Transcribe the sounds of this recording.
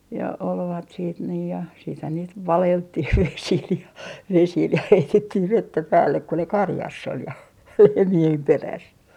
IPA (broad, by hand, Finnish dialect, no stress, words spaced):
jɑ olʋɑt siːt niː jɑ siːthæn niːt ʋɑleltːih ʋesil jɑ ʋesil jɑ heitetːih ʋetːæ pæːlːek ku ne kɑrjɑsː ol jɑ lehmiem peræs